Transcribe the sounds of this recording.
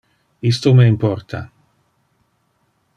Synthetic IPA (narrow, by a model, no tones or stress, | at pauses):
ist̪omeimpɔrt̪ʰa̰